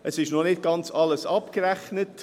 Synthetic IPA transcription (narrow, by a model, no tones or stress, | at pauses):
ʔəsɪʃnɔnɪt̚ɡ̥ɑnt͡sɑləsɑpkəɾæχnət